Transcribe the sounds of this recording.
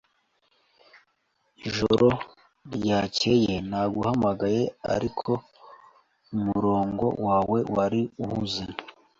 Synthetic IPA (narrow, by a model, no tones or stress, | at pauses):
iʒo̰ɾo̞ | ɾjace̞je̞naːɡuhamaɡaje̞a̰ɾikʰo̞ | umuɾo̞ːŋɡo̞̰waːwe̞waɾiuhuze